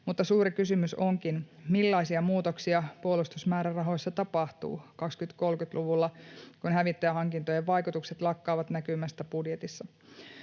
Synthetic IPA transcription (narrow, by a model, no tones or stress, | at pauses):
mut̪ːɑsuːɾikysymysoŋkinmilːɑisiɑmuːt̪oksiɑpuolust̪usmæːɾærɑɦo̞jsːɑt̪ɑpɑht̪ṵːkɑkskyt̪ko̞lkyt̪luʋulːɑkunɦæʋit̪ːæjæɦɑŋkint̪ojeʋʋɑjkut̪ukset̪lɑkːɑːʋɑt̪nækymæst̪æbudjet̪isːɑ